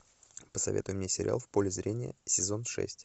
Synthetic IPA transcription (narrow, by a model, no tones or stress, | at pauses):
pə̥sɐvʲet̪ʊjʊmnʲesʲɪɾʲɪ̰ʔa̰lˠfpo̞lʲɪzɾʲenʲɪjə̰sʲɪzo̞nʂɛ̰sʲtʲ